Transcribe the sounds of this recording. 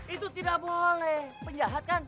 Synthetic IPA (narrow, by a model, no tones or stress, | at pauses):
it̪ut̪idaʔbolɛhpəɲd͡ʒaɦat̪̚kan